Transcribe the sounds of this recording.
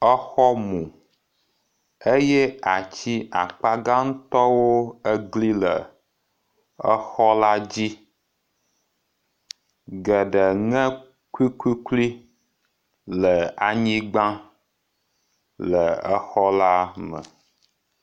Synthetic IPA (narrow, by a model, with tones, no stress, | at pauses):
ə˦xɔ˦mũ˨ | e˦jɛ˦a˨t͡ɕi˦a˨k͡pa˦ɡa˦ŋ̩˦t̪ɔ˦wo˦ə˦ɡli˦lə˨ | ə˦xɔ˦la˦d͡ʑi˦ | ɡə˨ɖə˨ŋɛ̃˦ | kwi˦kwi˦kli˦ | lə˨a˨ɲĩ˦ɡ͡bã˦ | lə˨ə˦xɔ˦la˦mə̰̃˨